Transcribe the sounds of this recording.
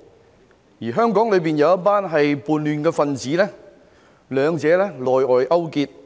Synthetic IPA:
jiː˨˩ɦœː˥ŋkɔː˨˥ŋlɵ˨˧ɥpiː˨njɐ˧wɐ˥t̚paː˥nɦɐ˨jpuː˨nlyː˨nkɛː˧fɐ˨˧nt͡siː˨˥lɛː˥ | lœː˨˧ŋt͡sɛː˨˥lɛː˥lɔː˨jɔː˨jʔɐ˥wkiː˧t̚

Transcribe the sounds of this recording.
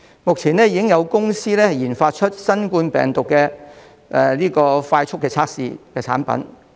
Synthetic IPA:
mʊ˨k̚t͡sʰiː˨˩nɛː˥jiː˧˥kɪ˥ŋjɐ˨˧wkʊ˥ŋsiː˥lɛː˥hɐ˨jiː˨˩nfaː˧t̚t͡ʃʰɵ˥t̚sɐ˥nkuː˧npɛ̰ː˨ŋt̪ʊ˨kːɛː˧ | ʔɛ˧liː˥kɔː˧faː˧jt͡ʃʰʊ˥kːɛː˧t͡sʰaː˧k̚sḭː˧kɛː˧t͡sʰa̰ː˨˥npɐ̰˨˥n

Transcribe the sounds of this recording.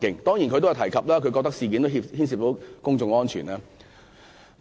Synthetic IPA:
kɪ˨˧ŋt̪ɔː˥ŋji˨˩kʰɵ˨˧t̪o˥˨˩t̪ʰɐ˨˩jkʰɐ˨p̚laː˥kʰɵ˨˧ɥkɔː˧k̚t̪ɐ˥ksiː˨k̬i˨˧nt̪o˥ɦi˧phiː˥nsi˨˩t̪o˨˥kʊ˥ŋt͡sʊ˧ŋɔː˥nt͡ʃʰy̰ː˨˩naː˥

